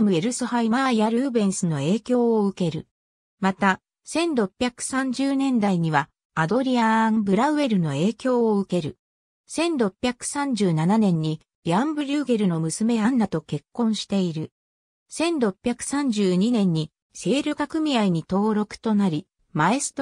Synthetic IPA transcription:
mɯ̟eɾɯ̟sohaimaijaɾɯ̟ːbẽ̞ɰ̃sɨno̞e̞ːkʲo̞ːoɯ̟ke̞ɾɯ̟̰ | mat̪a | sẽ̞nɾo̞pʲːjakɯ̟̥sãɲ̟d͡ʑɨːnẽ̞nd̪aiɲ̟iβaː | d̪o̞ɾʲiambɯ̟ɾaɯ̟e̞ɾɯ̟no̞e̞ːkʲo̞ːɯ̟ke̞ɾɯ̟ | sẽ̞nɾo̞pʲjakɯ̟̥sãɲ̟d͡ʑɨːnananẽ̞ɲ̟ːi | jʲãmbɯ̟ɾʲɯːɡe̞ɾɯ̟no̞mɯ̟sɨme̞ɡanːat̪o̞ke̞kːõ̞ɰ̃ɕi̥t̪e̞iɾɯ̟ | sẽ̞nɾo̞pʲjakɯ̟̥sãɲ̟d͡ʑɨːɲ̟inẽ̞ɲ̟ːi | se̞ːɾɯ̟kakɯ̟mʲiaiɲ̟it̪o̞ːɾo̞kɯ̟̥t̪o̞naɾʲi | maest̪

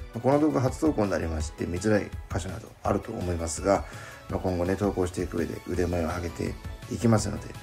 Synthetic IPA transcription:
mako̞no̞d̪o̞ːɡaɦat͡sɨ̥d̪oːkoːɲina̰ɾʲimaɕi̥t̪e̞mʲizɨɾaḭkaɕona̰d̪o̞̰a̰ɾɯ̟t̪o̞̰ːmo̞imasɨɡa | makõ̞ŋɡo̞ne̞t̪o̞ːko̞ːɕ̬it̪e̞ikɯ̟e̞d̪ḛɯ̟d̪e̞maeoaɡe̞t̪e̞̰ikʲimasɨnːo̞̰d̪e̞̰

